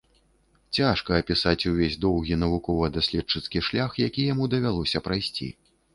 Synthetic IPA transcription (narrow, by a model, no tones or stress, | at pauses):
t͡sʲaʂkɐːpʲisat͡sʲuvʲezʲd̪ɔwɣʲinɐvukɔvɐd̪asʲlʲɛt͡ʂɨt̪skʲiʂlʲaxjakʲijamud̪ɐvʲalˠɔsʲɐpɾajsʲt͡sʲḭ